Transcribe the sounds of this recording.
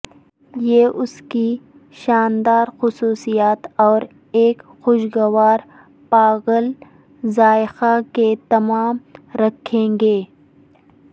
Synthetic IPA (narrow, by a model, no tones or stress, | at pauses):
jeːʔʊski | ʃaːnd̪aːɾxʊsuːsijaːt̪ɔːɾ | eːkxoʃɡɐwaːɾ | paːɣəl | zaːxaket̪ɐmaːmɾɐkʰːẽːŋɡeː